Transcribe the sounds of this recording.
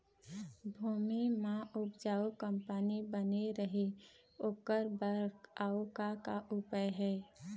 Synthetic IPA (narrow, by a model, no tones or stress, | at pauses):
bʱuːmimãʔʊpd͡ʒaːokə̃mpanibəneɾəɦe | oːkəɾbəɾkaːokakaʔʊpəjɦɛː